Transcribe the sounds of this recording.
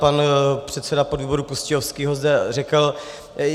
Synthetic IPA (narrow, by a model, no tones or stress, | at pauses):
panpr̝̥ɛt̪sɛdapo̞dviːbo̞ɾukuscɪofskiːɦozdɛr̝ɛkl̩